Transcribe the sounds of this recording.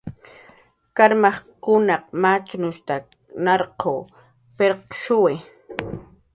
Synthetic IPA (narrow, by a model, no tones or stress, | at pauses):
kaɾmɑχkʊnɑq̚mat͡ʃnʊʃt̪a | nɑɾqʰoː | peɾqʃʊwɪ